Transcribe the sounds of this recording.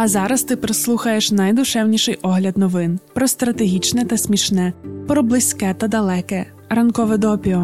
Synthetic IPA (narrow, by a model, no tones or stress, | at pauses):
ɐzɑɾɐst̪ɪpɾɪslˠuxɐjeʃnɐjd̪ʊʃɛwnʲiʃɪjʔɔɦlʲɐd̪nɔʋɪnpɾɔst̪ɾɐt̪eɦʲit͡ʃnɛt̪ɐsʲmʲiʃnɛpɾɔblˠɪsʲkɛt̪ɐd̪ɐlˠɛkɛ | ɾɐnkɔʋɛd̪ɔpʲiɔ